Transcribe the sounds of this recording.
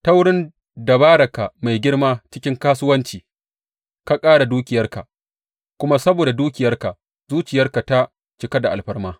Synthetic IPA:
ta˦wɽɪ˦n | da˨baː˦ɽɐ˨ka˨ma˨jɡʲɪ˦rmaː˦t͡ʃɪ̥˦kʲɪ˦ŋkaː˦sʊ˦wɐ˦nt͡ʃiː˨ | ka˨kʼaː˦ɽa˨duː˦kʲɪ˨jɐ˦rka˨ʔ | kʷʊ˦ma˦sɐ˦boː˨da˨duː˦kʲɪ˨jɐ˦rka˨ | zuː˦t͡ʃɪ˨jɐ˦rka˨ta˦ | t͡ʃɪ˨ka˦da˨ʔa̰˨lɸɐ˦rmaː˦

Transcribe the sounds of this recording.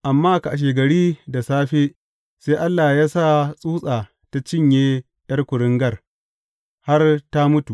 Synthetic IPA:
ʔa˨mːaː˦˨ka˨ʔa˨ʃ̬eː˨ɡɐ˨ɽiː˦da˨saː˦ɸeː˦ | seː˦ʔa˦lːaː˨jaː˦sa˦˨sʼuː˦sʼaː˨ | ta˦t͡ʃɪ˦˨ɲjeː˦ | jɐ˦rkʷʊ˨ɽɪ˦ŋɡɐ˦˨r | ha˦rta˦mʊ˦tu˨

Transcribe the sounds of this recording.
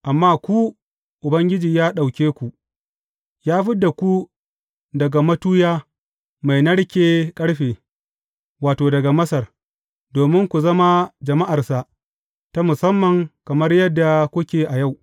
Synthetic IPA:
ʔa˨mːaː˦kʷu˦ | ʔʊ˨bɐ˦ŋɡʲɪ˦d͡ʒiː˨jaː˦ɗa˨wkʲeː˦kʷu˨ʔ | jaː˦ɸɪ˦da˨kʷu˦ | dɐ˨ɡa˨mɐ˦tuː˦jaː˦ | ma˨jnɐ˦ɽkʲeː˦kʼɐ˦ɽɸeː˨ | waː˨toː˨dɐ˨ɡa˨mɐ˦sɐ˨r | doː˨mɪ˦ŋkʷu˨zɐ˦ma˦d͡ʒɐ˨ma˦ʔa˨rsa˨ʔ | ta˦mʊ˨sɐ˦mːɐ˨ŋkɐ˨mɐ˦rjɐ˦dːa˨kʷʊ˦kʲeː˨ʔa˨ja˦˨w

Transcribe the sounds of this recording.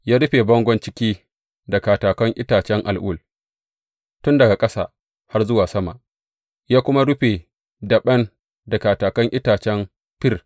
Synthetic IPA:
jaː˦ɽʊ˦ɸeː˨bɐ˦ŋɡʷɔ˦nt͡ʃɪ˦kʲiː˦ | dɐ˨kaː˨taː˨kɐ˦ŋʔɪ˦taː˨t͡ʃɛ˦ŋʔa̰˨lʔʊː˦˨l | tʊ˦ndɐ˨ɡa˨kʼɐ˦sa̰ː˨ | ha˦rzʊ˦waː˨sɐ˦ma̰˨ʔ | jaː˦kʷʊ˦ma˦ɽʊ˦ɸe˨ | dɐ˨ɓɐ˦n | dɐ˨kaː˨taː˨kɐ˦ŋʔɪ˦taː˨t͡ʃɛ˦m | ɸɪ˦r

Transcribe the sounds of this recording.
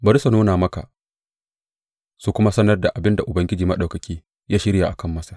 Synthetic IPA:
bɐ˦ɾsɐ˨noː˦naː˨mɐ˦ka̰˨ | su˦kʷʊ˦ma˦sɐ˦nɐ˦rda˨ʔa˨bɪ˦nda˨ʔʊ˨bɐ˦ŋɡʲɪ˦d͡ʒiː˨mɐ˦ɗɐ˨kɐ˨kʲiː˦ | jaː˦ʃɪ˦ɾja˨ʔa˨kɐ˦˨mːɐ˦sḁ˦

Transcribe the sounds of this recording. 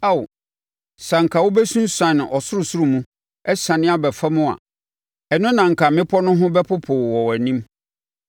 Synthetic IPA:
a˦˨w | sã˨ŋ̩˨kʰa˨wʊ˦bɛ˦sũ˦n̩˦sã˨ñ˨ʔɔ˨sʊ˦ɾʊ˨sʊ˦ɾu˦˨mũ˦ | ɛ˦sã˨nɪ̃˦a˦bɛ˨fa˦mʊ̃˦a̰˨ | ɛ˨nʊ̃˦nã˨ŋ̩˨kʰa˨mɪ̃˦pʰɔ˦nʊ̃˦ɦʊ̃˦bɛ˦pʰʊ˦pʰʊ˨wɔ˨wæ˨nĩ˦m

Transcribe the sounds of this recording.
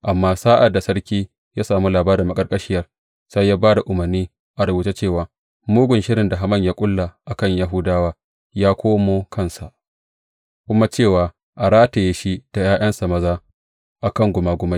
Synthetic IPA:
ʔa˨mːaː˦saː˦ʔa˨dːa˨sɐ˦rkʲiː˦ | jaː˦saː˨mu˦laː˨baː˦ɾɪ˨mːɐ˦kʼɐ˦rkʼɐ˦ʃɪ˦jɐ˦r | sɐ˦jːaː˦baː˦da˨ʔʊ˨mɐ˨rniː˦ | ʔa˨ɽʊ˨buː˨te˦t͡ʃeː˦˨waː˨ | muː˦ɡʷʊ˨nʃɪ˦ɾɪ˨nda˨ɦa˦mɐ˦˨ɲjaː˦kʷʼʊ˦lːa˨ʔa˨kɐ˦˨ɲja˦ɦʊ˦daː˦waː˦ | jaː˦kʷoː˦moː˦kʰɐ˦nsa̰˨ʔ | kʷʊ˦ma˦t͡ʃeː˦˨waː˨ | ʔa˨ɽaː˦ta˨jeː˦ʃi˦d̥a˨jaː˦j̰ɐ˦nsa˨mɐ˦zaː˦ | ʔa˨kɐ˦ŋɡʷʊ˨maː˨ɡʷʊ˦ma˦

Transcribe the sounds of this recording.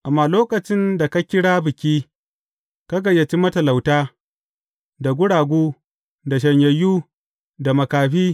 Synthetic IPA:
ʔa˨mːaː˨loː˦kɐ˨t͡ʃɪ˦nda˨ka˦kʲɪ˦ɽaː˦bɪ˨kʲiː˦ | ka˦ɡɐ˨jːɐ˨t͡ʃi˦mɐ˦tɐ˨la˨wtaː˦ | da˨ɡʷʊ˦ɽaː˨ɡʷuː˦ | da˨ʃ̬ɐ˨ɲjɐ˨juː˦ | da˨mɐ˨kaː˨ɸiː˦

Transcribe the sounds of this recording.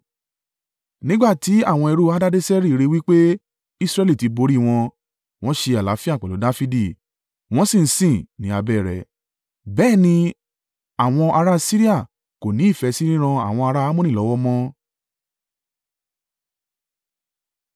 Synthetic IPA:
nĩ˦ɡ͡ba˦˨ti˨˦a˦˨w̃ɔ̃˧ɛ˧ɾu˦a˦da˦de˦sɛ˦ɾi˦˨˧ɾe˧wi˦k͡pe˦ | i˦sɾɛ˧li˦˨ti˧bo˧ɾi˦˨w̃ɔ̃˧ | w̃ɔ̃˦ʃe˧a˨la˨˦fi˦a˦˨k͡pɛ˨lo˨˦da˦fi˦di˦˨ | w̃ɔ̃˦sĩ˦˨n̩˦sĩ˦˨nĩ˨˦a˧bɛː˦˨ɾɛ̰˨ | bɛː˦˨nĩ˧ | a˨w̃ɔ̃˧ʔa˧ɾa˦si˦ɾi˦a˦˨ | ko˨nĩ˨˦i˦˨fɛ˧si˦ɾĩ˦ɾ̃ã˧a̰˦˨w̃ɔ̃˧a˧ɾa˦a˦mũ˦nĩ˦˨ɔ˨˦wɔ˦mɔ̃˦

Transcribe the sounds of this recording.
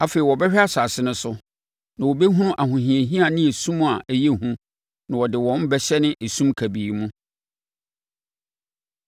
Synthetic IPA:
a˨fe˨i˨wɔ˨bɛ˦ɕᶣa˦sa˨sɪ˦nʊ̃˦sʊ˦ | nã˨wo˨bɛ˦ɦũ˦nʊ̃˦ʔa˨ɦʊ̃˨ɦĩ˨e˨ɦĩ˦a˨nɪ̃˦e˨sũ˦m̃˦a˨ʔɛ˦je˦hũ˦ | nã˨wɔ˨dɪ˨wɔ̃˦m˦bɛ˦ɕɛ˦nɪ̃˦ʔe˨sũ˦mkʰæ˨biː˨mũ˦

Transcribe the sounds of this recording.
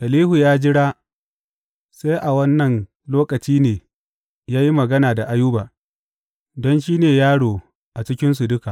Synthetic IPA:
ʔɐ˨liː˦hu˨jaː˦d͡ʒɪ˦ɽaː˦ | se˦jʔa˨wɐ˦nːɐ˨n | loː˦kɐ˨t͡ʃiː˦neː˨ | jaː˦ji˦mɐ˨ɡɐ˦naː˨da˨ʔa˦juː˦baː˨ | dɔ˦nʃiː˦neː˨jaː˦ɽoː˨ | ʔa˨t͡ʃɪ˦kʲɪ˦ns̬u˨dʊ˦ka˨ʔ

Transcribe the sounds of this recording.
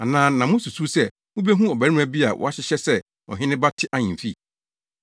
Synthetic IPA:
a˨nãː˦nã˨mʊ̃˦su˨su˦sɛ˦ | ʊ˦be˦ɦũ˦ɔ˨bæ˨ɾĩ˦æ˦˨bi˦a˨wʔɔ̰˦a˦ɕɪ˦ɕɛ˦sɛ˦ | ɔ̰˨ɦɪ̃˦nɪ̃˦ba˦tʰɪ˦ʔa˦ɲĩ˨m̩˨fi˦

